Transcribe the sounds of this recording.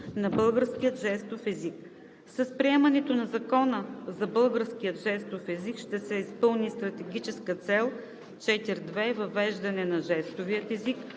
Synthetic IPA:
nɐbɤlˠɡəɾskijət̪ʒɛst̪ofɛzik̚ | sɐspɾiɛmɐnɛt̪onɐzɐkɔnəzɐbɤlˠɡəɾskiət̪ʒɛst̪ofɛzikʃt̪ɛsɛispɤlˠnist̪ɾɐt̪ɛɡʲit͡ʃɛskət̪sɛlˠ | t͡ʃɛt̪iɾd̪vɛvɐvɛʒd̪ɐnɛnɐʒɛst̪ovijət̪ɛzik

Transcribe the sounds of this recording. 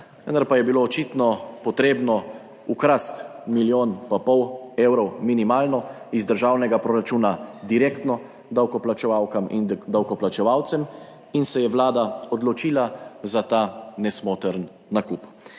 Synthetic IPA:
ʋə̰nd̪aɾpajɛbiloːt͡ʃit̪nɔpɔt̪ɾeːbnɔ | ukɾast̪miljoːnpapɔwewɾɔwminimaːlnɔ | izd̪əɾʒaːwnɛɡapɾoːɾat͡ʃuːnad̪iɾeːkt̪nɔ | d̪awkɔplat͡ʃɛʋawkamind̪awkɔplat͡ʃɛʋawt̪sɛm | insɛjɛʋlaːd̪aɔd̪lɔt͡ʃiːlazat̪aːnɛsmoːt̪ɛɾnː | akup

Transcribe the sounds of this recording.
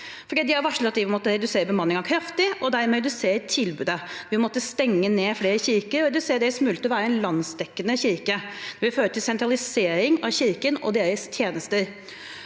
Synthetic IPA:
fɔdɖiːd̪ɪɑɾʋɑʂl̩ət̪ɑt̪̚d̪ɪmɔt̪ːəɾɛd̪ʉseːɾəbəmɑnːɪŋɑkʰɾɑft̪ɪʔɔd̪æɾmɛːd̪ʉseːɾt̪ʰɪlbʉːd̪əʋɪmɔt̪ːəst̪ɛŋːəneːfleːɾəçɪɾkəɾɔɾɛd̪ʉseːɾɖ̪ɛːɾəsmʉːlət̪ːɔʋæːɾəɛnlɑnsd̪ɛkːənəçɪɾkəd̪̥ɛɾʋɪføːɾəʈ̪ʰɪlsɛnt̪ɾɑlɪseːɾɪŋɑçɪɾkənɔ̰d̪eːɾəst̪ʰjeːnəst̪əɾ

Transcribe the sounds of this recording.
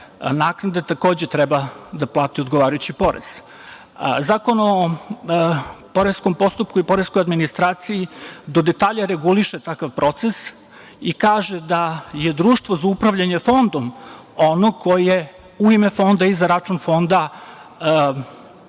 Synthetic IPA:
naːknad̪et̪ako̞ːd͡ʑet̪ɾɛbad̪aplˠaːt̪iod̪ɡoʋaːɾajut͡ɕipo̞ɾḛz̥ | zaːko̞no | po̞ɾesko̞mpo̞st̪upkuipo̞ɾesko̞jad̪minist̪ɾaːt̪sijid̪o̞d̪et̪aːʎaɾeɡuliʃet̪akaʋpɾo̞t̪ses | ikaːʒed̪aje̞d̪ɾuːʃt̪ʋo̞zaupɾaʋʎaɲefo̞nd̪om | onokʰo̞jije | uimefo̞nd̪aizaɾat͡ʃunfo̞nd̪a

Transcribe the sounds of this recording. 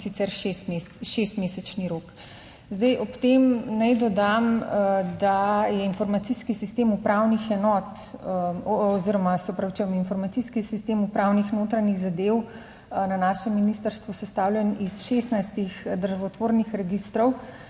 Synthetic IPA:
sit̪sɛɾʃesmeʃest̪mesɛt͡ʃniɾoːk | zd̪ɛjʔɔpt̪emnɛjd̪ɔd̪amd̪ajɛinfɔɾmat̪siskisist̪emupɾawnixɛnɔt̪ | ɔziɾɔmasɛɔpɾɐʋt͡ʃuɛminfɔɾmat̪siskisist̪emupɾawnixnoːt̪ɾaniɣzad̪ew | nanaːʃɛmːinist̪əɾst̪ʋusɛst̪awlʲjɛnisʃest̪najst̪ixd̪əɾʒaʋɔt̪ʋoːɾnixɾɛɡist̪ɾɔw

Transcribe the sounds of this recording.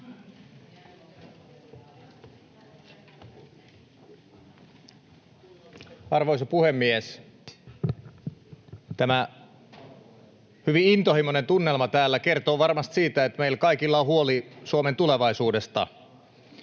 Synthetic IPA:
ɑrʋoisɑpuhemːies | t̪æmæ | hyʋiint̪ohimonent̪unːelmɑt̪æːlːækert̪o̞ːʋɑrmɑst̪siːt̪æet̪meilkɑikilːɑhuolisuoment̪uleʋɑisuːde̞st̪ɑ̰

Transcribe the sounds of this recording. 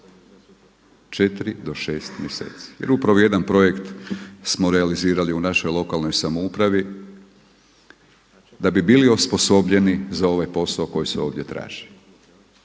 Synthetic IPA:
t͡ʃet̪iɾid̪o̞ʃeːst̪mjesḛːt̪si̥je̞̰ɾupɾaʋoje̞d̪anpɾo̞je̞kt̪smo̞ɾe̞aliziːɾaliunaʃo̞jlˠo̞kalno̞jsamoupɾaʋi | d̪abibiliospo̞so̞bʎe̞nizao̞ʋajpo̞saoko̞jiseo̞ːʋd̪ʲje̞t̪ɾa̰ːʒ̥il

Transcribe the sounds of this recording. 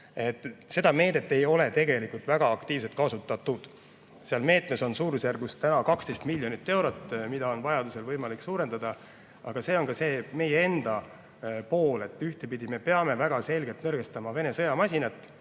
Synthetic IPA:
e̞t̪ːˑse̞d̪̥ɑme̞ːd̪̥e̞t̪ːe̞jo̞le̞t̪e̞ɡe̞likult̪væɡ̥ɑːkt̪iːvse̞lt̪̚kɑsut̪ːˑɑt̪ːˑud̪̥ | seɑlme̞ːt̪me̞so̞nsuːɾusjærɡust̪ænɑkɑkst̪ejst̪milʲjo̞nit̪ːˑe̞wɾo̞t̪ːmid̪̥ɑo̞nvɑjɑd̪use̞lvɤjmɑliksuːɾe̞nd̪ɑd̪ɑ | ɑɡ̥ɑse̞ːo̞nkɑse̞ːme̞jeend̪̥ɑ | po̞ːle̞t̪ːˑyht̪e̞pid̪ime̞pe̞ɑme̞væɡ̥ɑse̞lʲɡe̞lt̪nɤrɡ̥e̞st̪ɑmɑve̞ne̞sɤ̞jɑmɑsʲinɑt̪ːˑ

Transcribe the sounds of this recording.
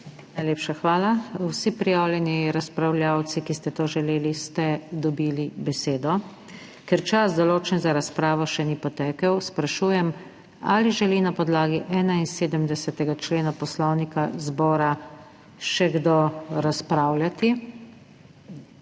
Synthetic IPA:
najleːpʃaxʋaːlawsipɾijawljɛniɾaspɾawlʲjaw̪sikist̪ɛt̪oːʒɛleːlist̪ɛd̪ɔbiːlibɛseːd̪ɔ | kɛɾt͡ʃasd̪ɔloːt͡ʃɛnzaɾaspɾaːʋɔʃɛnipɔt̪ɛːkəwspɾaʃuːjɛm | a̰liʒɛlinapɔd̪laːɡiʔɛːnainseːd̪əmd̪ɛsɛt̪ɛɡat͡ʃleːnapɔslɔwnikazbɔːɾa | ʃɛɡd̪oɾaspɾaːwlʲjat̪i

